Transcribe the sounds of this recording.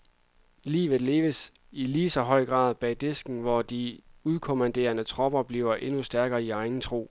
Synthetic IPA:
lḭːʋð̩ˠle̝ːʋəs | iliːsɒ̽ɦɒ̽ɪ̰ɡ̥ʁɑ̰̈ːð̞ˠb̥ɛ̰ːd̥e̝sɡ̥n̩ʋɒd̥iuðˠkʰo̝mænd̥e̝̰ːɐnət͡sʰʁɒ̽b̥ɐb̥liːʊɐʔe̝nusd̥æɐɡ̥ɐːiɑ̈ɪn̩t͡sʰʁo̝̰ː

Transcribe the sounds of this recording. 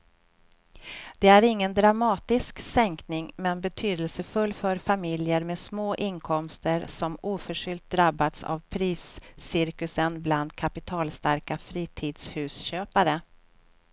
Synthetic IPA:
d̪̥ɛæɾɪŋːənd̪ɾamɑːt̪ɪsksɛŋknɪŋmɛnbɛt̪ʰyːd̪əlsəfɵlːfœɾfamɪljəɾmesmoːʔɪnkʰɔmst̪əɾsɔmuːfœʂʏlt̪̚d̪ɾabːat̪sa̰vpʰɾiːsːɪɾkɵsənbland̪kʰapɪt̪ʰɑːlst̪aɾkafɾiːt̪ʰiːd̪shʉ̟ːsɕøːpaɾə

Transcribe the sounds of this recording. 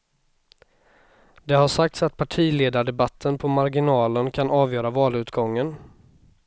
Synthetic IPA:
d̪ɛɦaʂak̚t̪sat̪̚pʰaʈʰiːleːd̪aɖɛbat̪ʰːənpʰɔmaɾɡɪnɑːlənkʰanɑːvjœːɾavɑːlʉ̟ːt̪ɡɔŋːən

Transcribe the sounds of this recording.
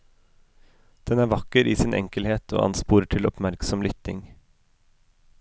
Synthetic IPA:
d̪̥ɛnæːɾʋɑkəɾḭːsɪːnʔɛ̰ŋkəlheːt̪ʰo̰ːʔɑ̰nspuːɾəʈʰɪlɔpmæɾksɔmlʏt̪ɪŋ

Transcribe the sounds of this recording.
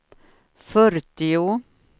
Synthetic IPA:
fœɾt̪ɪu

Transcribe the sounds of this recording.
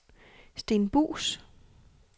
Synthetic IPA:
sd̥e̝ːnb̥ṵːs

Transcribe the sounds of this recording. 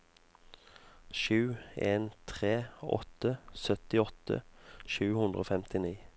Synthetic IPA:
ʃʉːeːnt̪ʰʁeːɔ̰t̪əsœt̪ɪɔt̪ə̰ʃʉːhʉnd̪ʁoːfɛmt̪ɪniː

